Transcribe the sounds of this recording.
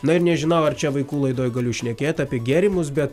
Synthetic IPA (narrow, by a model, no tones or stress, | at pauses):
nɐɪɾnʲɛʒʲɪnɐʊɐɾt͡ʃʲɛʋɐɪkuːlˠɐɪd̪oːjɡɐlʲʊʃʲnʲɛkʲeːt̪ʲɑːpʲiɛɡʲeːɾʲimʊs̬bʲɛt̪